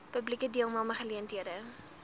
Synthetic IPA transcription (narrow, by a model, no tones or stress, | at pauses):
pəblikədiəlˠmɐlˠməχəliəntɦiəɾə